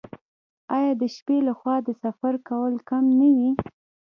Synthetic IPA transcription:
ɑjɑd̪əʃpelaxwɑd̪əsafaɾkawəlkamnawi

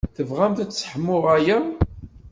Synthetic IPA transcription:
θəvʁæmθæt͡sːsħəmːʊʁæjæ

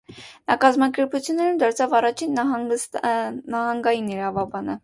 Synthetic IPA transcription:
nɑkɑzmɑkɛɾput͡sʰjunːɛɾumd̪ɑɾt͡sʰɑvɑrɑt͡ʃʰin | nɑɦɑŋɡɑjiniɾɑvɑbɑnə

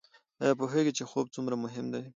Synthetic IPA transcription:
ɑjɑp̬oɦeɡit͡ʃexob̚t͡sumɾamʊɦɪmd̪aj

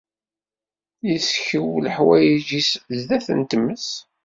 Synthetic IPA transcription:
jəsçəwləħwæjiʒiszðæθə̰nt̪əmːəs

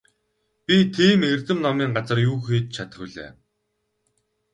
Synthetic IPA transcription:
pʲit̪ʰiːmert̪ɘ̆mnɔmiːŋɢat͡sə̆rjuːxeːt̪̚t͡ɕʰat̪xuːɮḛː

